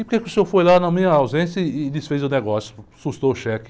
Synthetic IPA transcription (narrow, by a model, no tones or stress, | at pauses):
ɪʊɾkekɪʊsoɾfojlanɐmĩɲɐawzẽsjɐɪɪlɪsfezewneɡɔsjʊ̥sust̪oʊʃɛkɪ̥